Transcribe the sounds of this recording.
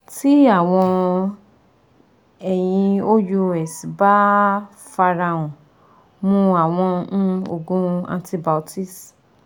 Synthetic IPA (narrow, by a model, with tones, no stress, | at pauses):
ti˦a˦˨w̃ɔ̃˧ | ɛ˨j̃ĩ˧o˦ju˧ɛ˨si˨ba˦ | fa˧ɾa˧ũ˨ | mũ˧a˨w̃ɔ̃˧˦o˧˨ɡũ˦ã̰˧nti˧ba˨ti˦˨s